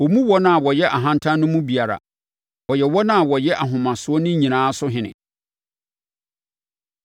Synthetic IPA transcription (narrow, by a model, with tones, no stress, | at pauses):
wɔ˨mũ˦wɔ˦nã˦a˨wɔ˨jɛ˦ʔa˨ɦã˦n˦tʰã˦nʊ̃˦mũ˦bi˨a˨ɾa̰˨ | ɔ˨jɛ˨wɔ˦nã˦a˨wɔ˨jɛ˦ʔa˨ɦʊ̃˨mã˨sʊ˨ɔ˦nʊ̃˦ɲĩ˨nãː˨˦sʊ˦ɦɪ̃˨nɪ̰̃˨